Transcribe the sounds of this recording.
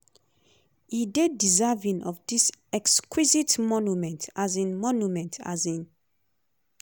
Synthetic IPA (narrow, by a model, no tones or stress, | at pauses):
ided̚dizavĩnʔɔfdisɛkskwizitmɔnjumɛ̃ntʰazĩnmɔnjumɛ̃ntʰa̰zĩn